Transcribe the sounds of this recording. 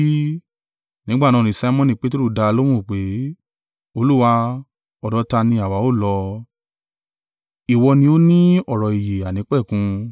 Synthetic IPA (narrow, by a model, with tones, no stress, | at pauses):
nĩ˦ɡ͡bã˦˨ãː˧˦˨ĩ˨sa˧˦mɔ̃˦nĩ˧˨k͡pe˦to˦ɾu˦˨da˧lo˦mũ˦˨k͡pe˨˦ | o˧lu˦wa˧ | ɔ˨dɔ˨˧˦ta˧nĩ˧a˨wa˨˦o˦˨lɔ˧ | i˨wɔ˧nĩ˧o˦nĩ˦ɔ˦˨ɾɔ˨i˨je˨a˨nĩ˨˦k͡pɛ˦˨kũ˧